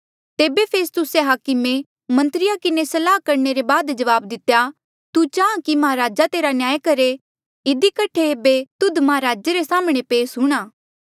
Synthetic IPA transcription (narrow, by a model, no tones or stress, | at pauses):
t̪eːbepʰeːst̪ʊseɦaːkɪme | mɐ̃nt̪ɾɪjakɪnesɐlaːkɐɾneɾebaːd̪d͡ʒɐʋaːbd̪ɪt̪ːja | t̪ut͡ʃaːãkimɐɦaɾaːd͡ʒat̪eːɾanjaːjkɐɾe | ɪd̪ikɐʈʰeːbet̪ʊd̪mɐɦaɾaːd͡ʒeɾesaːməɽ̃epeːsɦuɽ̃aː